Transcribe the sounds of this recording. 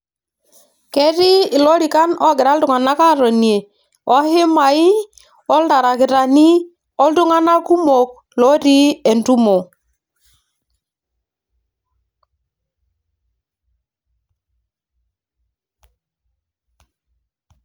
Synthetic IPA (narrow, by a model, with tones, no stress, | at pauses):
kɛ˦ɾi˦˨lɔ˦ɾi˨ka˦nɔ˦ɡɪ˨ɾa˦ldʊ˨ŋa˨na˦ka˦ɾɔ˨ni˨e˨ | ɔ˦hɪ˦ma˨ɪ˦ | ɔ˦lda˨ɾa˨kɪ˨ɾa˨ni˦ | ɔ˦ldʊ˦ŋa˦na˦lku˦mo˨k̚ | lɔ˦ɾi˦ɛ˨ntu˦mo˨